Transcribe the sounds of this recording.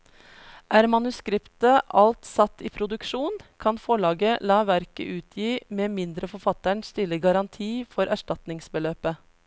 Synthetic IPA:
ʔæːɾmɑnʉskɾɪpt̪əʔɑlt̪sɑt̪ːiːpʰɾʊd̪ʉkʂuːnkʰɑnfɔɭɑːɡəlɑːʋæɾkə̰ʔʉːt̪ʰjiːmeːmɪnd̪ɾəfɔɾfɑt̪əɳsst̪ɪlːəɡɑɾɑnt̪ʰiːfɔɾʔæʂʈɑt̪nɪŋsbəløːpə

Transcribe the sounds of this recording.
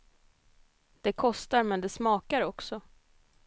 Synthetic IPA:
d̪̥ɛkʰɔst̪aɾmɛnd̪ɛsmɑːkaɾɔksɔ

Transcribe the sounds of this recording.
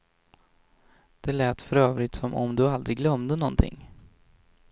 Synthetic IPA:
d̪̥ɛlɛːt̪fœɾøːvɾɪt̪sɔmɔ̰md̪ɵald̪ɾɪɡlœmd̪ənɔnt̪ʰɪ̰ŋː

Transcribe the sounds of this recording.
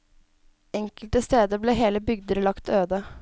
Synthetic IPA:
ɛŋkəlt̪əst̪eːd̪əbleːɦeːləbʏɡd̪əɾlɑkt̪ʰøːd̪ə

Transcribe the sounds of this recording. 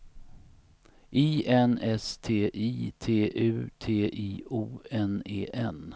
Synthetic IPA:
ʔiːʔɛnɛst̪ʰeːʔiːt̪ʰeːʔʉ̟ːt̪ʰeːʔiːuːɛneːʔɛn

